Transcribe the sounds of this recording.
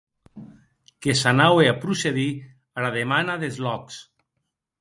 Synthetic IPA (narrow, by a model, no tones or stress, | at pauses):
kesanaweapɾuseði | aɾaðemanaðezlɔks